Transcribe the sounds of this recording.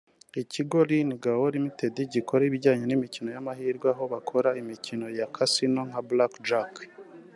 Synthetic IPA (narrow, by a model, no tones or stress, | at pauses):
iciɡo̞ɾiniɡawoɾimite̞diɟikʰo̞ɾaiβiɾɟaːɲenimicino̞jamaɦiːɾɡwaɦo̞βakʰo̞ɾaimicino̞jakʰasino̞ŋ̥ablakd͡ʒak